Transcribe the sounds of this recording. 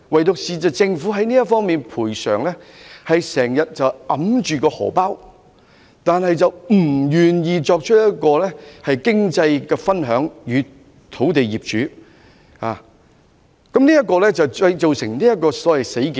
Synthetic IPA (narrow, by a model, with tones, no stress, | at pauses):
wɐ˨jt̪ʊ˨k̚siː˨t͡sɐ˨t͡sɪ˧ŋfu˨˥ɦɐ˨˥jniː˥jɐ˥tfɔː˥ŋmiː˨npʰuː˨˩jsœ̰ː˨˩ŋlɛ˥hɐ˨jsɛː˨˩ŋjɐ˨t̚t͡sɐ˨wʔɐ˨˥mt͡ʃyː˨˩kɔː˧hɔ̰ː˨˩paː˥w | t̪aː˨nhɐ˨jt͡sɐ˨wm̩˨˩jyː˨˩njiː˨t͡ʃɔː˧k̚t͡ʃʰɵ˥t̚jɐ˥t̚kɔː˧lɛ˥hɐ˨jkɪ˥ŋt͡sɐ˧jkɛː˧fɐ˥nɦœː˨˥ŋjyː˨˧ | t̪ʰo˨˥wt̪e˨jjiː˨p̚t͡ʃyː˨˥ | ha̰ː˨ | kɐ˨˥mniː˥jɐ˥t̚kɔː˧lɛ˥t͡sɐ˨wt͡sɐ˧jt͡so˨wsɪ˨˩ŋniː˥jɐ˥t̚kɔː˧sɔː˨˥wɐ˨˩jse˨˥jki˨